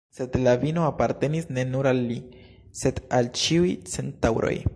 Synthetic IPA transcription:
se̞d̪lavinoapaɾte̞nisne̞nuɾalːi | se̞d̪alt͡ʃiujt͡se̞ntawɾo̰j

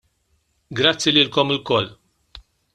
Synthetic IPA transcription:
ɡɾɐt͡sːjiliːlkɔmɨlkɔlː

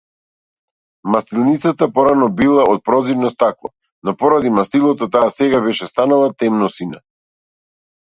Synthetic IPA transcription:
mast̪ilˠnit̪sat̪apɔɾanɔbilˠaɔt̪̚pɾɔziɾnɔst̪aklˠɔ̰ | nɔpɔɾad̪imast̪ilˠɔt̪ɔt̪aːsɛɡaβɛʃɛst̪analˠat̪ɛmnɔsina

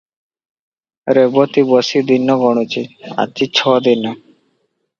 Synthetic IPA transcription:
ɾebot̪ibɔsid̪inːɔɡɔɽ̃ut͡ɕia̰t͡ɕit͡ɕʰɔd̪inɔ

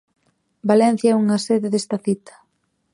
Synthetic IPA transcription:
balɛn̟θjaɛuŋɐseðeðest̪ɐθit̪ɐ̥

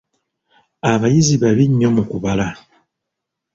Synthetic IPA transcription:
aβajizibaβiɲɔmukuβala

